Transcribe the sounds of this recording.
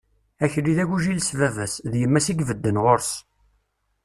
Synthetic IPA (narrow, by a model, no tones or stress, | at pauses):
æçliðæʝuʒilsvævæsðjəmːæsiɡvəd̪ːənʁoɾs